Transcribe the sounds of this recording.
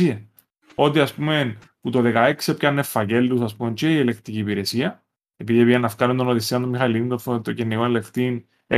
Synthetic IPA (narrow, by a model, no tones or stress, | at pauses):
iɐ | o̞t̪̬iɐspume̞n | put̪o̞ðe̞kɐeksiopçɐnːefːɐce̞lːusɐspume̞nt͡ʃieielekt̪iciːpiɾe̞siɐ | e̞piðiepiʝenːɐfkɐnund̪onoðisiɐnt̪omːixɐlimnt̪oft̪ocenːikonelekt̪in | ḛ